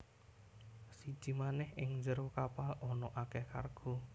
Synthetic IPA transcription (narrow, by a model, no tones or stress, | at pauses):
sid̥ʒ̥i̤manɛhɪŋnd͡ʒəɾokapalɔnɔʔakɛhka̰rɡ̥ɔ̤